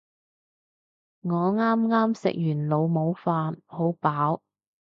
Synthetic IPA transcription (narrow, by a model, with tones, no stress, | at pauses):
ŋɔː˨˧ŋaː˥mŋaː˥msɪ̰˨k̚jyː˨˩nlo˨˧wmo˨˧wfaː˧nho˨˥wpaː˨˥w